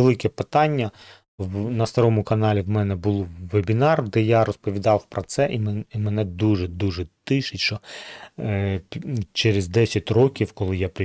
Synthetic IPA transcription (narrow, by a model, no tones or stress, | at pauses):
elˠɪkɛpɪt̪ɑnʲːɐ | nɐst̪ɐɾɔmʊkɐnɑlʲiwmɛnɛbʊlˠʋebʲinɑrd̪ɛjaɾɔspɔʋʲid̪ɑwpɾɔt̪sɛʔimimenɛd̪uʒɛd̪uʒɛt̪ɪʃɪtʲʃt͡ʃɔ | t͡ʃɛɾezd̪ɛsʲɐtʲrɔkʲiwkɔlˠɪjapɾɪ